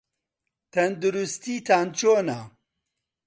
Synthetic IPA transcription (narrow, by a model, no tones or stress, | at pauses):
t̪ʰɐnd̪uɾust̪iːt̪ʰaːnt͡ʃoːna